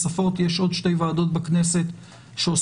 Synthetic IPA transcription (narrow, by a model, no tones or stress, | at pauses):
safo̞t̪je̞ʃʔo̞d̪ʃte̞jvaːdo̞t̪̚bakne̞se̞t̪ | ʃeos